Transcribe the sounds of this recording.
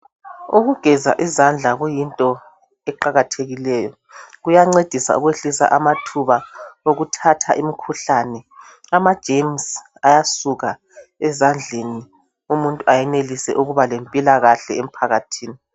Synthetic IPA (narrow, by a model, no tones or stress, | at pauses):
uɣuɡ̥ʱɛza̰ʔizand͡ɮʱaɣujintʼɔ | ɛǃaɣatʰeɣilɛːjɔ | ɣujaŋ͡ǀed̥ʱisa̰uɣweɬisa̰ʔamatʰuβaoɣutʰatʰaʔimikʰuɬanɛ | amad̥ʒ̥ʱems | ajasuɣa | ɛzand͡ɮʱeni | umuntʼuʔajɛnelisɛ̰ʔuɣuβalempʼilaɣaɬɛ̰em̩pʰaɣatʰiːni